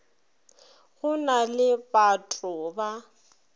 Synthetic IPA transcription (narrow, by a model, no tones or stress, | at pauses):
ɣʊnalɪpʼatʼʊba